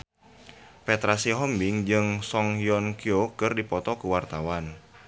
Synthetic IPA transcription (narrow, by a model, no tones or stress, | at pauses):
pɛt̪ɾasiɦɔmbiŋd͡ʒɨŋsɔŋijɔnkiokɨrdipɔt̪ɔkuwart̪awan